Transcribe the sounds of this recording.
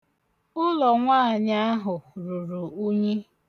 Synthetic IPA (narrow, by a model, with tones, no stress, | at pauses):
ʊ˦lɔ˨ŋʷaː˦˨ɲa˦a˦ɦʊ˨ɾʊ˨ɾu˨u˦ɲe˦